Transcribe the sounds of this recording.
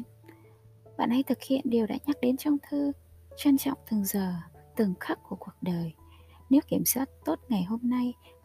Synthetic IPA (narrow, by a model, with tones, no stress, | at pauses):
ɓa̰ː˧˨nʔa˧jt̪ʰɨ˨˩k̚hḭ˧˨ənɗi˨˩əwɗa̰ː˧˥ɲa˦˥k̚ɗe˨˦nt͡ɕɔ˧wŋ͡mt̪ʰɨː˧ | t͡ɕwa˧nt͡ɕɔ̰˧˨wŋ͡mt̪ʰɨ˨˩ŋzəː˨˩t̪ɨ˨˩ŋxa˦˥k̚ku˧˩əku˨˩ək̚ɗəː˨˩j | ne˨˦wki˧˩əmswaː˦˥t̚t̪o˦˥t̚ŋa˨˩jɦo˧mna˧j